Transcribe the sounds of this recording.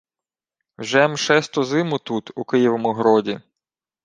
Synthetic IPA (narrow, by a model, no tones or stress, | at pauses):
wʒɛmʃɛst̪ɔzɪmʊt̪ut̪ukɪjiʋɔmʊɦɾɔdʲi